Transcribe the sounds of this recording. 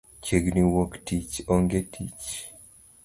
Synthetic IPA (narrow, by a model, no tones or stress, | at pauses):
t͡ʃeɡniwoktit͡ʃɔŋɡetʰit͡ʃ